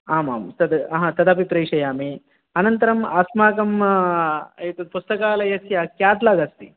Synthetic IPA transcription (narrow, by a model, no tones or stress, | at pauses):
aːma̰ːmt̪ɐd̪ɐɦɐ̃t̪ɐd̪ɐp̬ipɾeːʂɐjaːmi | ɐnɐnt̪ɐɾɐmaːsmaːkɐm | t̪ɐpust̪ɐkaːlɐjɐsjɐkjaːt̪lɐɡɐst̪i